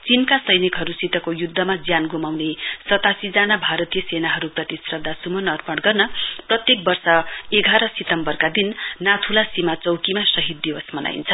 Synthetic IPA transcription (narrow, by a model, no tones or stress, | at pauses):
t͡sinkasʌjnikɦʌɾusit̪ʌkojud̪ʱːʌmad͡zjanɡumawnesʌt̪asid͡zanabʱaɾʌt̪ijʌsenaɦʌɾuprʌt̪isprʌd̪ʱasumʌnʌrpʌɽɡʌrnʌprʌt̪jek̚bʌrsʌeɡʱaɾʌsit̪ʌmbʌrkad̪inːat̪ʰulasimat͡sʌwkimasʌɦit̪̚ːibʌsmʌna̰jḭnt͡sʰʌ